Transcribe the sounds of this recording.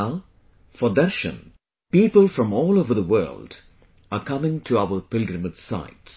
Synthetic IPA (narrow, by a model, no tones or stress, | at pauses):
fɔd̪ɛʃə̰̃n | pipəlˠfɹʌ̃mɔːlˠoʊvəðəwɜ̰˞ld | əkʰʌmɪ̃ŋtʰuaʊəpɪlˠɡɹəmədsa̰ɪts